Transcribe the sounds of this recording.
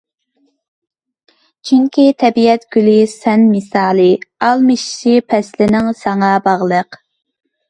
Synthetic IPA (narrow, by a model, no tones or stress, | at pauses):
t͡ʃʰyŋkʲit̪ʰɛbiɛt̪ɡ̥ʲylisɛnmɨsɑːlˠɨɑlˠmɨʃʃipʰɛslɪnɪŋsɑŋɑbɑʁlˠəq